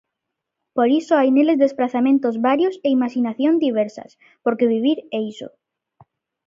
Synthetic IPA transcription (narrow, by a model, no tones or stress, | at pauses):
poɾisoajnelezd̪espɾaθamẽnt̪ozβaɾjoseimaʃinaθjond̪iβ̞ɛɾsɐ̰s | poɾkeβiβ̞iɾejso̰